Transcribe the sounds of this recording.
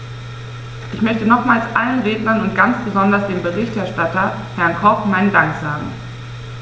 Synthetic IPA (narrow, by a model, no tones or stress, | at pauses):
ʔɪçmœçtənɔχmaːlsʔalənʁeːtnɐnʊnt̚ɡ̥ant͡sb̥əzɔndɐsd̥eːmbəʁɪçtɛɐʃtatɐ | hɛɐnkʰɔpmaɪnədaŋkz̥aːɡŋ̩